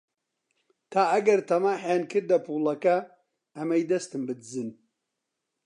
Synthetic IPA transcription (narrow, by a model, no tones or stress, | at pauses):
t̪ʰaːɐɡɐɾt̪ʰɐmaːħjaːnkʰɨɾd̪ɐpʰulɐkɐ | ɐmɐjd̪ɐst̪ɨmbɨd̪ɨzɨn